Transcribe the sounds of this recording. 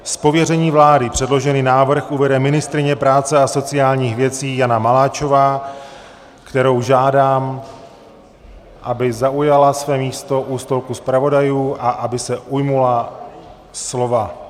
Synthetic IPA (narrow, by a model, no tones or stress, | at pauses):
spo̞vjɛrɛɲiːvlaːdɪpr̝̥ɛdlo̞ʒɛniːnaːvr̩xʔuvɛdɛmɪnɪst̪ɾɪɲɛpɾaːt͡sɛaso̞t͡sɪjaːlɲiːxvjɛt͡siːjanamalaːt͡ʃo̞vaː | kt̪ɛɾo̞wʒaːdaːm | ʔabɪzaʔujalasvɛːmiːst̪o̞ʔuːst̪o̞lkuspɾavo̞dajuːʔaʔabɪsɛʔujmula | slo̞va